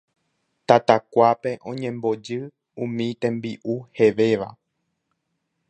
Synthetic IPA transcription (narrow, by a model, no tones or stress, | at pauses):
t̪at̪akʷape̞ʔõ̞ɲẽ̞mbo̞d͡ʒɨ | ũmĩt̪ẽ̞mbiʔuhe̞ʋe̞ʋa̰